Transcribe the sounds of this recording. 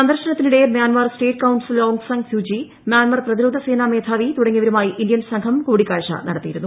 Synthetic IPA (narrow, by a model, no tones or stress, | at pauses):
sɐnd̪ɐrʂɐnɐt̪ːiniɽe̞mjaːnmɐrsʈeːʈ̚kɐwnsiloːŋɡsɐŋɡfjuːd͡ʑi | mjaːnmɐrprɐðiɾoːd̪ʱɐse̞ːname̞ːt̪ʰaːʋit̪uɽɐŋːiʋɐɾumaːjiʔindijɐnsɐŋɡʰɐmkuːɽikːaːɻʂɐ̰nɐ̰ɽɐt̪ːijiɾunːu